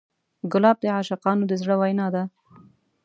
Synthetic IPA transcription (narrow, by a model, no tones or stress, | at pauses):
ɡʊlɑb̚d̪əʕaʃaqɑnod̪əzɽəwajnɑd̪a